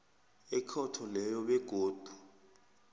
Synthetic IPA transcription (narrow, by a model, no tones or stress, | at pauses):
ɛkʰɔtʰɔlɛjɔɓɛɡ̥ʱoːd̥ʱu